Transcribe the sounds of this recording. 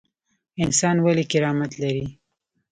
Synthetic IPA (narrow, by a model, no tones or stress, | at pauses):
ɪnsɑnwalekɪɾɑmat̪laɾi